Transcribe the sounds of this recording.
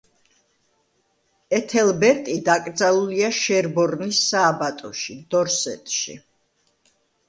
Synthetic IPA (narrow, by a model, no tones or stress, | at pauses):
ɛt̪ʰɛlbɛɾt̪ʼid̪akʼɾd̪zalˠuliaʃɛɾbɔɾnisːaːbat̪ʼɔʃid̪ɔɾsɛ̰t̪ʼʃḭ